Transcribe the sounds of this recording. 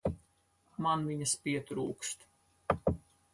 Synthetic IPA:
manviɲɐspiɛt̪ɾuːkst̪

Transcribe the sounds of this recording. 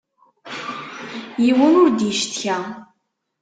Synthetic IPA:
jiwənʊɾd̪jəʃt̪çæ

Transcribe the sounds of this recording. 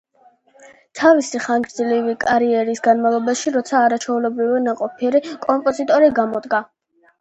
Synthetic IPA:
t̪ʰavisiχaŋɡɾd̪zlivikʼaɾiɛɾisɡanmalˠɔbaʃiɾɔt̪sʰaːɾat͡ʃʰɛulɔbɾivɛnaqʼɔpʰiɛɾikʼɔmpʼɔzit̪ʼɔɾiɡamɔd̪ɡa

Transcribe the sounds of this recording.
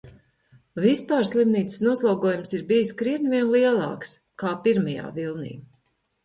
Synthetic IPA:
vispaːɾslˠimniːt̪ssnuɔslˠawɡuɔːjumsiɾbijiskɾiɛnviɛnlˠiɛlˠɑ̰ːks | kaːpiɾmɐja̰ːvilˠnḭː

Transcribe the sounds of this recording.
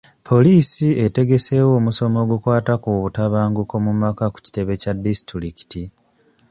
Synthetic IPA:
pʰo̞liːsiete̞ɡe̞se̞ːwo̞ːmuso̞mo̞ːɡukwaːtakuβutaβaːŋɡuko̞mumakaku̥ci̥te̞βe̞cadːisi̥tɾiɾiki̥ti

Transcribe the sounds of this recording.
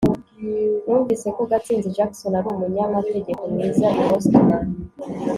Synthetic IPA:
nuːɱviːse̞koɡat͡siːnziʒakso̞naɾuːmuɲamate̞ɟeko̞mwiːzanoostonan

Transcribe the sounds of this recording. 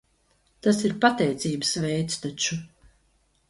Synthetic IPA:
t̪asiɾpat̪ɛjt̪siːbəsvɛjt̪st̪at͡ʃu

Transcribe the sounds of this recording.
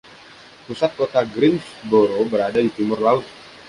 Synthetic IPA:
pusat̪̚kot̪aɡɾɪnsboɾobəɾadadit̪imʊrlaʊt̪̚

